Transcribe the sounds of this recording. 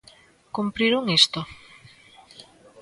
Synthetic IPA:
kumpɾiɾuŋest̪o

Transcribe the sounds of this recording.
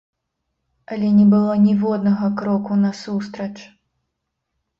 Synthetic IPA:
ɐlʲɛnʲɛbɨlˠɔnʲivɔd̪nɐɣɐkɾɔkunɐsust̪ɾɐt͡ʂ

